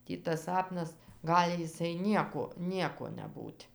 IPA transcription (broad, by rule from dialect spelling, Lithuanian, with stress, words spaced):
ˈtʲiː tɐs ˈsɑːpnɐs ˈɡɑːlʲɪ jɪˈsɐɪ ˈnʲiɛkoː ˈnʲiɛkoː nʲɛˈbuːtʲ